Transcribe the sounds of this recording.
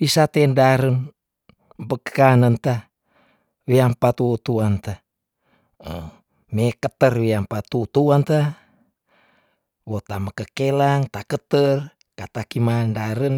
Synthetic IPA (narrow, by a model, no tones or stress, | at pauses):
isat̪endaɾən | mbəkəanənt̪a | weampat̪ut̪uant̪a | ə | mekət̪ərwiampat̪ut̪uant̪a | wot̪aməkəkelaŋt̪akət̪ər | kat̪akimandaɾən